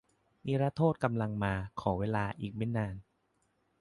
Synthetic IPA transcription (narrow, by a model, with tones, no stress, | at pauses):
ni˦˥ɾaː˦˥t̪ʰoː˥˩t̪̚ka˧mla˧ŋmaː˧kʰɔː˩˦weː˧laː˧ʔiː˨˩k̚me˦˥˩nːaː˧n